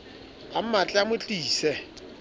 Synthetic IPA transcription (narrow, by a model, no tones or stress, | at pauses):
am̩mat͡ɬʼamʊt͡ɬʼiːsɛ